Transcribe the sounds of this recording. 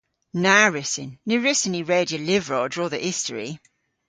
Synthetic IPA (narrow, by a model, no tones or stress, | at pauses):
naɹɪsɪ̰̃nːʉɹɪsɪ̃niɹeːdjəlɪvɹɔdɹɔːðəʔɪstə̰ɹḭ